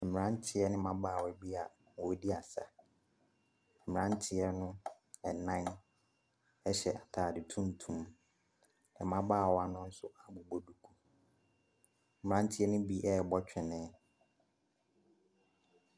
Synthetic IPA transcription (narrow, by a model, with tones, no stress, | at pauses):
m̩˨m̃˨ɾã˦n̩˦tʰɪ˦ɛ˦nɪ̃˦mã˦baː˦˨wɔ˨˦ɛ˨bi˦a˨ | wɔ˨˦di˦a˨sa̰˨ | m̩˨mɪ˨ɾã˦n̩˦tʰɪ˨ɛ˦nʊ̃˦ | ɛ˨nã˦n | ɛ˦ɕɛ˨ʔa˨tʰaː˨dɪ˨tʰũ˦n˨tʰũ˨m | ɛ̰˨mã˦baː˦˨wɔ˦a˨nʊ̃˦n̩˦sʊ˦a˨bo˨bo˨du˨kʰu˦˨ | ɪ̃˨ɾã˦n̩˦tʰɪ˦ɛ˦nʊ̃˦bi˦ʔɛ˦ɛ˨bɔ˦t͡ɕᶣɪ̃˨nɛ̃ː˦